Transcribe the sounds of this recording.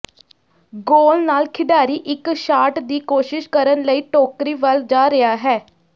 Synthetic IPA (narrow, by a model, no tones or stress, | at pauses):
ɡoːlnaːlkʰɪɖaːɾiːʔɪkʃaːʈd̪iːkoːʃɪʃkəɾənləiːʈoːkɾiːʋəld͡ʒaːɾɪaːɦɛː